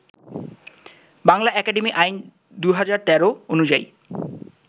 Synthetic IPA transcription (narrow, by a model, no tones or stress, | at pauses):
baŋlaʔɛkaɖemiʔajn | d̪uɦad͡ʑaɾt̪ɛɾoonud͡ʑaḭ